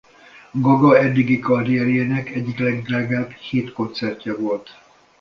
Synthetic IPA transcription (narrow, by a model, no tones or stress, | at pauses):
ɡɒɡɒɛd̪ːiɡikɒrijɛɾieːnɛkɛɟːiklɛɡdraːɡaːbheːt̪ko̞nt̪sɛrcɒvo̞lt̪